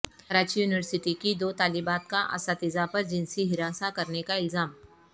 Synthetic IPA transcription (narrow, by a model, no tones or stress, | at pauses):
ɾaːt͡ʃjuːnɪʋəɾsɪʈikid̪oːt̪aːlibaːt̪kaʔɐ̰saːt̪ɪzapɐɾd͡ʒɪ̃nsiɦɪɾaːsakɐɾnekaɪlzaːm